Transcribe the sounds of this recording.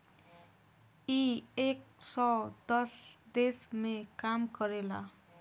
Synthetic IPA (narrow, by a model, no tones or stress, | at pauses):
iek̚sʌd̪ʌsd̪esmekamkʌɾela